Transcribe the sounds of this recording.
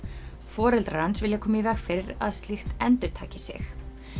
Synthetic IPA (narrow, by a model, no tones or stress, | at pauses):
fɔːɾɛlt̪ɾaɾansvɪljakʰɔːmɪivɛxfɪɾɪɾa̰ðst̪lɪxt̪ɛnt̪ʏɾ̥t̪ʰaːcɪsɪ̰x